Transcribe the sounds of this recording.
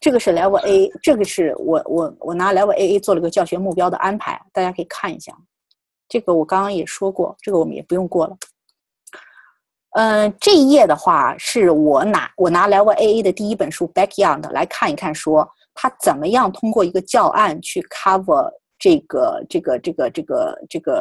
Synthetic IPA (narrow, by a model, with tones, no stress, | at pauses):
ʈ͡ʂɤ˥˩ɡə˩ʂɻ̩˥˩la˧˥ɪwə˧ʔe˥ɪʈ͡ʂɤ˥˩ɡə˩ʂɻ̩˥˩wɔ̰˨˩˦wɔ̰˨˧˩wɔ˨˩na˧˥la˧˥ɪwə˧ʔe˥e˥ɪt͡swɔ˥˩lə˩˧˥ɡə˧t͡ɕjɑ˥˩ɕɥɛ˧˥mu˥˩pjɑ˥ʊd̪ə̰˨ʔa˥npʰa˧˥ɪ˧t̪a˥˩t͡ɕja˥kʰɤ˧˥i˨˩kʰa˥˩nḭ˧˥ɕja̰˥˩ | ʈ͡ʂɤ˥˩ɡə˩wɔ˨˩kɑ˥ŋkɑ˥ŋjɛ˨˩ʂwɔ˥kwɔ̰˥˩ʈ͡ʂɤ˥˩ɡə˩wɔ˨˩mə˦njɛ̰˨˩pu˧˥jʊ˥˧ŋkwɔ˥˩lə˩ | ə˥˧ʈ͡ʂɤ˥˧i˥˧jɛ˥˩d̪ə˩xwa̰˥˩ʂɻ̩˥˩wɔ˨˩˦na̰˧˥wɔ˨˩na˧˥la˧˥ɪwə˥˧ʔe˥e˥d̪ə˨t̪i˥˩i˥pə˨˩nʂu˥pa˥kʰjɑ˥˩nd̪ə˩lʔa̰˧˥ɪkʰa˥˩ni˧˥kʰa˥˩nʂwɔ˥ | t̪ʰa˥t͡sə˨˩nmə˦jɑ˥˩ŋt̪ʰʊ˥ŋkwɔ˥˩i˧˥ɡə˧t͡ɕjɑ˥˧ʊʔa˥˧nt͡ɕʰy˥˩kʰa˥fə˧˩ | ʈ͡ʂɤ˥˩ɡə˩ʈ͡ʂɤ˥˩ɡə˩ʈ͡ʂɤ˥˩ɡə˩ʈ͡ʂɤ˥˩ɡə̰˩ʈ͡ʂɤ˥˩ɡə˩